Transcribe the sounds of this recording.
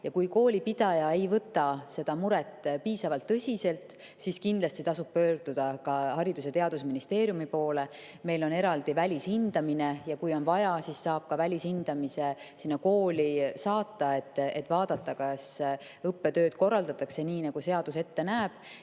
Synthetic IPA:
jɑkujko̞ːlʲipid̪̥ɑjɑe̞jvɤt̪ːˑɑse̞d̪̥ɑmuɾɛt̪ːˑpiːsɑvɑlt̪ːɤsʲise̞lt̪ˑ | siskind̪lɑst̪it̪ɑsub̥̚pø̞ːɾd̪̥ud̪̥ɑkɑhɑɾid̪̥uset̪e̞ɑd̪̥usminist̪e̞ːɾjumipo̞ːle̞ | me̞jlo̞ne̞ɾɑld̪̥ivælʲishind̪̥ɑminejɑkujo̞nvɑjɑsisːɑːb̥̚kɑvælʲishind̪̥ɑmisesinːɑko̞ːlʲisɑːt̪ːɑe̞t̪ːˑet̪ːˑvɑːd̪̥ɑt̪ːɑkɑs | ɤpːe̞t̪ø̞ːd̪̥ko̞rːɑld̪ɑt̪ːˑɑkse̞niːnɑɡ̥use̞ɑd̪̥use̞t̪ːe̞næːb̥

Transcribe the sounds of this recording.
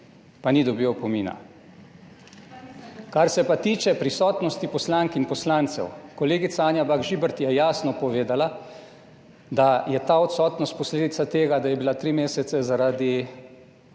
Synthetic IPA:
panid̪ɔbiwpɔmiːna̰ | kaɾsɛpat̪iːt͡ʃɛpɾisɔːt̪nɔst̪ipɔslaŋkinpɔslant̪sɛ̰wkɔleːɡit̪saaːnjabaɡʒibəɾt̪jɛjaːsnɔpɔʋeːd̪ala | d̪ajɛt̪aːɔt̪sɔːt̪nɔst̪̚pɔsleːd̪it̪sat̪eːɡad̪ajɛbilat̪ɾimeːsɛt̪sɛzaɾad̪i

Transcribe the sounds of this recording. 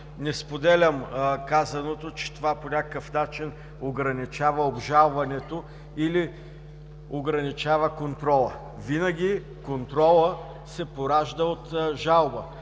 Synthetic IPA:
nɛspod̪ɛlʲɐmkazɐnot̪ot͡ʃɛ̥t̪ovaponʲakəfnat͡ʃin | oɡɾɐnit͡ʃavɐobʒalˠvɐnɛt̪o | ili | oɡɾɐnit͡ʃavəkont̪ɾɔlˠə | vinəɡʲi | kont̪ɾɔlˠə | sɛpoɾaʒd̪əot̪ʒalˠbə

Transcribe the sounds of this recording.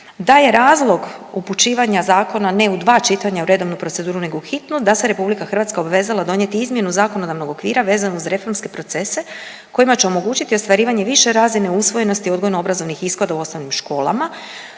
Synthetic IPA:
d̪aje̞ɾaːzlˠo̞ɡuput͡ʃiːʋaɲazaːko̞nane̞ud̪ʋaːt͡ʃit̪aɲauɾe̞d̪o̞ʋnupɾo̞t̪e̞d̪uːɾune̞ɡouxit̪nud̪ase̞ɾe̞publikaxɾrʋaːt̪skao̞baʋe̞ːzalˠad̪o̞ɲjet̪iizmje̞nuzaːko̞no̞d̪aʋno̞ɡo̞kʋiːɾaʋe̞ːzanouzɾe̞fo̞ɾmske̞pɾo̞t̪se̞se̞ | ko̞jimat͡ɕeo̞mo̞ɡuːt͡ɕit̪iost̪ʋaɾiːʋaɲe̞ʋiʃe̞ɾaːzine̞usʋo̞je̞no̞st̪io̞d̪ɡojnuo̞bɾazo̞ʋnixiskod̪auo̞snoʋnimʃko̞ːlˠa̰ma

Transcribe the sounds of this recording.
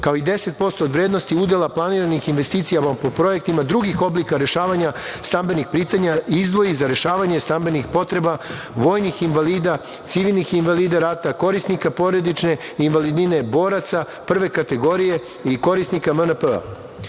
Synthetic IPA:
kao̞id̪e̞se̞t̪̚po̞st̪o̞ːd̪ʋɾed̪nost̪iud̪e̞lˠaplˠaniɾanixinʋe̞st̪iːt̪sijamapo̞pɾo̞e̞k̚t̪imad̪ɾuɡixo̞blikaɾe̞ʃaːʋaɲast̪ambe̞nixpɾiːt̪aɲaizd̪ʋo̞izaɾe̞ʃaːʋaɲe̞st̪ambe̞nixpo̞t̪ɾe̞ba | ʋo̞ːjnixinʋaliːd̪a | t̪siʋilˠnixinʋaliːd̪aɾat̪ako̞ɾisnikapo̞ɾe̞d̪it͡ʃne̞inʋalid̪nine̞bo̞ːɾat̪sa | pr̩ʋe̞kat̪e̞ɡo̞ɾije̞ | iko̞ɾisnikamənpəa̰

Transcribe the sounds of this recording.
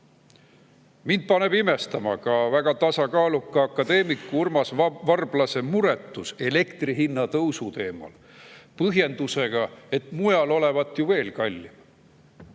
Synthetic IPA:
mind̪̥̚pɑne̞bime̞st̪ɑmɑ̰kɑvæɡ̥ɑt̪ɑsɑkɑːlukːˑɑɑkːˑɑd̪e̞ːmikːˑuurmɑsvɑrb̥lɑse̞muɾe̞t̪ːˑuse̞le̞kt̪riɦinːɑt̪ɤwsut̪e̞ːmɑ̰l | pɤɦje̞nd̪̥use̞ɡ̥ɑe̞t̪ˑmujɑlo̞le̞vɑt̪ːˑjuve̞ːlkɑlʲːi

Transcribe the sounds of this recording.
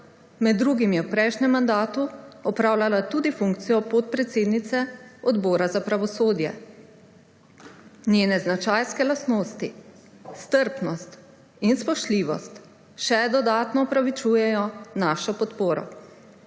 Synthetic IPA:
mɛd̪ːɾuːɡimjɛwpɾɛjʃnʲɛmːand̪aːt̪uɔpɾaːwlalat̪uːd̪ifuŋkt̪sijɔpot̪̚pɾɛt̪seːd̪nit̪sɛɔd̪bɔːɾazapɾaʋɔsoːd̪jɛ̰ | nʲeːnɛznat͡ʃajskɛlasnoːst̪i | st̪əɾpnɔst̪ | inspɔʃt̪liːʋɔst̪ | ʃɛd̪ɔd̪aːt̪nɔɔpɾaʋit͡ʃujɛjɔnaːʃɔpɔt̪poːɾɔ̰

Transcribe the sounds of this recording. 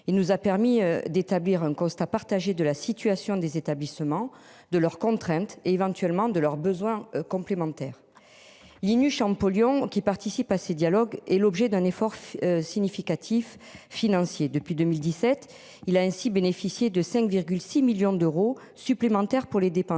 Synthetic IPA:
ilnuzapɛʁmid̪et̪abliʁɛ̃kɔ̃st̪apaʁt̪aʒed̪əlasit̪yasjɔ̃d̪ezet̪ablisəmɑ̃ | d̪əlœʁkɔ̃t̪χɛ̃t̪eːvɑ̃t̪ɥɛlmɑ̃d̪əlœʁbəzwɛ̃kɔ̃mplemɑ̃t̪ɛʁ | linyʃɑ̃pɔljɔ̃kʲipaʁt̪isipasəd̪jalɔɡɛlɔbʒɛd̪ɛ̃nefɔʁsiɲifikat̪ʰifː | inɑ̃sjed̪əpɥid̪əmild̪isɛt̪ | ilaɛ̃sibenefisjed̪əsɛ̃kviʁɡʲylsimiljɔ̃d̪øʁo | syplemɑ̃t̪ɛʁpuʁled̪epɑ̃s

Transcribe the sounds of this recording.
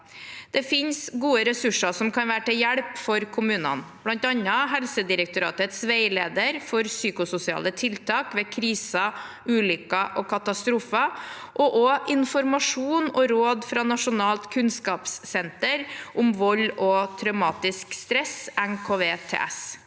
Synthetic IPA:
d̪̥ɛfɪnsɡuːəɾɛsʉʂɑsɔmkʰɑnʋæːɾəʈɪljɛɽpfɔɾkʰʊmʉːnɑ̰nb̥lɑnt̪ɑnːəɦɛlsəd̪ɪɾək̚t̪ʊɾɑːt̪ət̪sʋeɪleːd̪əɾfɔɾsyːkʊsʊsɪɑ̰ːlət̪ʰɪlt̪ʰɑːkʋeːkʰɾiːsə | ʉːlʏkːəʔɔkʰɑt̪ɑst̪ɾuːfə | ʔɔʔɔʔɪnfɔɾmɑʂuːnɔɾoːd̪fɾɑnɑʂʊnɑːlt̪kʰʉnskɑːpsːɛnt̪əɾʔʊmʋɔlːɔt̪ʰɾœʉmɑːt̪ɪskst̪ɾɛsæŋkʰoːʋeːt̪ʰḛːɛ̰s

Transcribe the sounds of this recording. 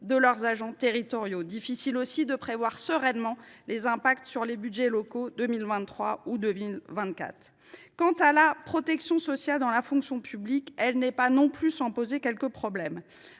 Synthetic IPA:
d̪əlœʁzaʒɑ̃t̪eʁit̪ɔʁjod̪ifisilosid̪əpχevwaʁsəʁɛnmɑ̃lezɛ̃pakt̪syʁlebyd̪ʒɛlɔkod̪əmilvɛ̃t̪ːχwaud̪əmilvɛ̃t̪̚kʲa̰t̪χ | kɑ̃t̪alapχɔt̪ɛksjɔ̃sɔsjald̪ɑ̃lafɔ̃ksjɔ̃pʰyblikɛlnɛpanɔ̃plysɑ̃pozekʲɛlkəpχɔblɛm

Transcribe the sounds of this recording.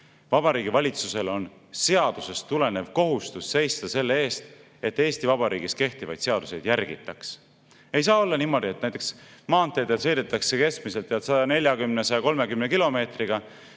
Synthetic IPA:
vɑb̥ɑɾiːɡ̥ivɑlʲit̪suse̞lo̞n | se̞ɑd̪̥use̞st̪ːule̞ne̞vko̞ɦust̪usːe̞jst̪ɑse̞lːee̞ːst̪ | et̪ːe̞ːst̪ivɑbɑɾʔḭːɡiske̞ht̪ivɑ̰jd̪̥se̞ɑd̪̥use̞jd̪̥jærɡḭt̪ːˑɑks | e̞jsɑːo̞lːɑniːmːo̞d̪ie̞t̪næjt̪ːˑeksmɑːnt̪ːˑe̞ːd̪et̪se̞jd̪et̪ːˑɑkse̞ke̞skmise̞lt̪ːeɑt̪sɑd̪ɑne̞lʲjɑkymnesɑjɑko̞lme̞kymnekilo̞me̞ːt̪riɡ̥ɑ

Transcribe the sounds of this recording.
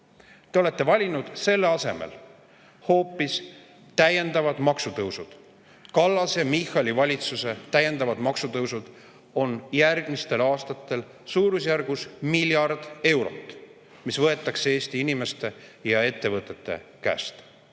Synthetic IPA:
t̪e̞o̞le̞t̪ːˑe̞vɑlʲinud̪̥se̞lːeɑsemḛl | ho̞ːpːˑis | t̪æje̞nd̪̥ɑvɑd̪̥mɑksut̪ɤwsud̪̥ | kɑlːɑsemixɑlivɑlʲit̪suse̞t̪æje̞nd̪ɑvɑd̪̥mɑksut̪ɤwsud̪̥ | o̞njærɡ̥mist̪e̞lɑːst̪ɑt̪ːˑe̞l | suːɾusjærɡ̥usmilʲjɑrd̪̥e̞wɾo̰t̪ːˑ | misvɤe̞t̪ːˑɑksee̞ːst̪iinime̞st̪e̞jɑe̞t̪ːe̞vɤt̪ːˑe̞t̪ːˑe̞̰kæ̰ːst̪

